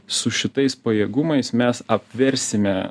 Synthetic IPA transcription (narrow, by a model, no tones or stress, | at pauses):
sʊʃʲɪt̪ɐɪspɐjeːɡʊmɐɪsmʲɛsɐpʲʋʲɛɾʲsʲɪmʲɛ